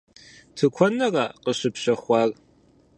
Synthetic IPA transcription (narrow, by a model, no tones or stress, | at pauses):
tʰɨkʷʰɔnɐraːqəɕɪpɕɐχʷɑːr